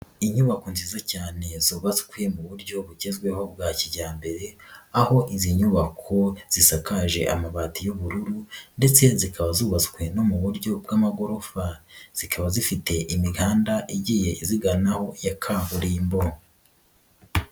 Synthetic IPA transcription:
iɲuβako̞nziːzacaːne̞zuːβazukwe̞muβuɾɟo̞βuɟezɡwe̞ho̞bɡaːciɟaːmbe̞ɾe̞aho̞ʔiziɲuβakʰo̞z̥isakʰaːʒe̞̰ʔa̰maβaːtijoβuɾuɾunde̞t͡se̞zikʰaβazuːβazu̥kwe̞no̞muβuɾɟo̞b̚ɡaːmaɡo̞ɾo̞faz̥ikʰaβazifite̞ʔimiɡaːndaʔiɟiːje̞iziɡanaho̞jakʰahuɾiimbo

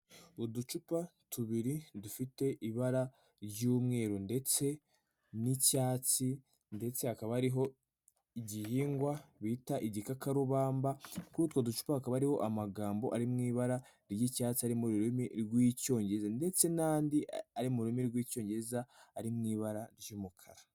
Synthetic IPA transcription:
udut͡ʃupatʰuβiɾidufite̞ʔiβaɾa | ɾɟuːmŋe̞ːɾunde̞t͡se̞ | nicaːt͡si | nde̞t͡se̞hakaβaaɾiɦo̞ | iɟihiːŋɡwaβitaʔiɟikakaɾuβaːmbakuutkaduʃu̥pahakaβaaɾiho̞ʔamaɡaːmbo̞ʔaɾimŋiːβaɾa | ɾjicaːt͡siaɾimuɾuɾimiɾɡwiːco̞ːɲɟeɾezande̞t͡se̞naːndiaɾimuuɾimiɾɡwiːco̞ːɲɟeɾezaːɾimŋiːβaɾaɾjuːmukʰa̰ɾa

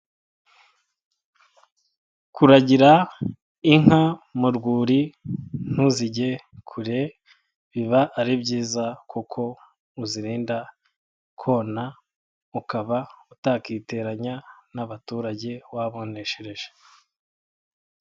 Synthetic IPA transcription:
kuɾaɟiɾa | iŋ̥hamuɾɡuːɾin̥huziɟe̞ | kʰuɾe | βiβaʔːɾibɟiːzakʰukʰo̞ | uziɾiːnda | kʰo̞ːna | ukaβautakite̞ɾaɲanaβatuːɾaɟe̞waβo̞ne̞ʃeɾe̞ʒe

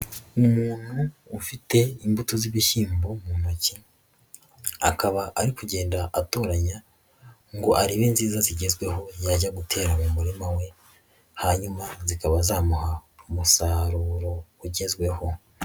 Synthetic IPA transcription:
umuːn̥huːfite̞imbutoziβiʃiːmbomunoci | a̰kaβaʔaɾikuɟe̞ːndaʔato̞ːɾaɲa | ŋɡo̞ʔaɾiβinziːzaziɟe̞zɡwe̞ho̞jaɟaɡutʰe̞ːɾamumuɾimawe̞ | haɲumazikaβazaːmuhaumusaɾuːɾo̞uɟe̞zɡwe̞ho̞

